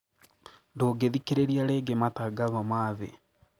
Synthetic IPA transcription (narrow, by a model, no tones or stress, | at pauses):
ndoːɡeðikeɾeɾiaɾeːɡemataɡaðɔmaðḛ